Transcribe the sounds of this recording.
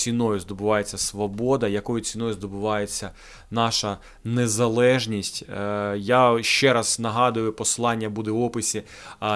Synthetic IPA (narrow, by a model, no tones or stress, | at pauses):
sʲinɔjʊzd̪ɔbʊʋɑjet͡sʲːɐsʋɔbɔd̪ɐjɐkɔjʊt͡sʲinɔjʊzd̪ɔbʊʋɑjet͡sʲːɐ | nɑʃɐ | nezɐlˠɛʒnʲisʲtʲjaʃt͡ʃɛɾɐznɐɦɑd̪ʊjʊpɔslˠɑnʲːɐbud̪ɛɔpɪsʲi